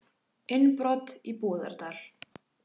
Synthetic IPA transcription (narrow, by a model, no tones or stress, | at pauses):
ɪnpɾɔt̪ipɔːða̰ɾt̪al̥